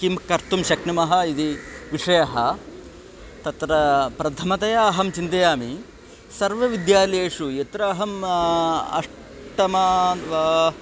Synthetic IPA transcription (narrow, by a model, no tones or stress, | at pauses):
kimkɐɾt̪umʃɐknimɐɦɐid̪iʋiʂɐjɐɦɐ | t̪ɐt̪ɾɐpɾɐt̪ʰɐmɐt̪ɐjɐːɦɐmt͡ʃind̪ɐjaːmi | sɐɾʋɐʋid̪jaːleːʂujet̪ɾɐːɦɐm | ɐ̰ʂ | ʈɐmɐʋɐ